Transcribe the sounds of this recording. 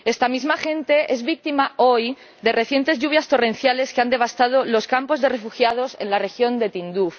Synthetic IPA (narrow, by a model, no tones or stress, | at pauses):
e̞st̪amizmaxe̞nt̪e̞ʔe̞zβik̚t̪imao̞j | d̪e̞re̞θje̞nt̪e̞zʝuβ̞jast̪o̞re̞n̟θjale̞skeand̪e̞β̞ast̪að̞o̞lo̞skampo̞zðe̞refuxjað̞ose̞̰nlare̞xjo̞nd̪e̞t̪ind̪uf